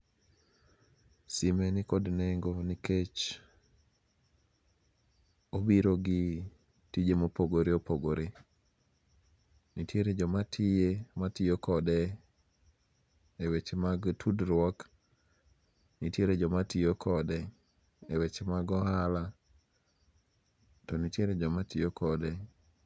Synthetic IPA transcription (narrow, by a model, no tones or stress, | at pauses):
simenikodneŋɡoniket͡ʃ | obiɾoɡɪ | tid͡ʒemopoɡoɾeopoɡoɾe | nitʰjeɾed͡ʒɔmatʰɪematijokɔdɛ | ewet͡ʃmaɡtʰudɾwɔk | nitjeɾed͡ʒɔmatiokʰɔdɛ | ewet͡ʃmaɡɔɦala | tɔnitjeɾed͡ʒɔmatijokʰɔdɛ